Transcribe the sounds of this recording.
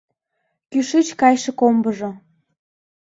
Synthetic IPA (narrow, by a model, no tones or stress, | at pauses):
kyʃit͡ɕkɑjʃĕkombəʒo